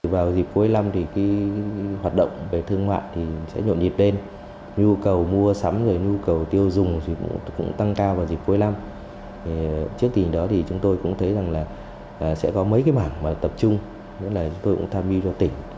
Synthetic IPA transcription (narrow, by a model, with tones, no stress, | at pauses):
vaː˨˩wzi˨˩p̚ku˨˦ə˦jla˧mt̪ʰi˨˩ka˨˦ɦwaː˨˩t̚ɗə̰˧˨wŋ͡mve˨˩t̪ʰɨ˧əŋma̰ː˧˨jt̪ʰi˨˩sɛ̰˧˥ɲo̰˧˨nzi˨˩t̚ɗe˧n | ɲu˧kə˨˩wmu˧əsa˨˦mzoː˨˩jɲu˧kə˨˩wt̪i˧əwzʊ˨˩ŋ͡mt̪ʰi˨˩kʊ̰˧˥kʊ̰˧˥ŋ͡mt̪a˧ŋkaː˧wvaː˨˩wzi˨˩p̚ku˨˦jla˧m | tʰi˨˩t͡ɕɨ˦˥ək̚t̪ï˨˩ŋ̟ɗɔ˨˦t̪ʰi˨˩t͡ɕʊ˨˦ŋ͡mt̪o˧jkʊ̰˧˥ŋ͡mt̪ʰə˨˦jza˨˩ŋlaː˨˩˨ | sɛ̰˧˥kɔ˨˦mə˨˦jkaː˨˦jmaː˧˩ŋmaː˨˩t̪ə˨˩p̚t͡ɕʊ˧ŋ͡m | ɲə˨˦˥laː˨˩t͡ɕʊ˨˦ŋ͡mt̪o˧jkʊ̰˧˥ŋ͡mt̪ʰːmvi˧t͡ɕɔ˧t̪ï˧˩ŋ̟